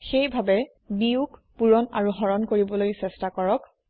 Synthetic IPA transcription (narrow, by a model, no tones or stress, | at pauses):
xejbʱabɛ | niukpuɹɔnaɹuɦɔɹɔnkoɹibɔlojsɛstakɔɹɔk